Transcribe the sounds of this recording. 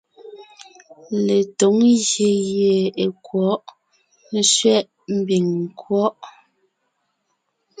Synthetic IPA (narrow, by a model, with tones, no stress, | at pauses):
le˨to˨˦ŋɣje˨je˨e˨kwɔ˨˦ʔ | n˦ʃɥɛ˦ʔ | m̩˦bi˨ŋ˨kwɔ˦ʔ